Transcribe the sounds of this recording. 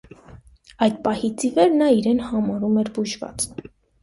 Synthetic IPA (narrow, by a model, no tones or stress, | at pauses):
ɑjd̪pɑhit͡sivɛɾnɑiɾɛnhɑmɑɾumɛɾbuʒvɑ̰t͡s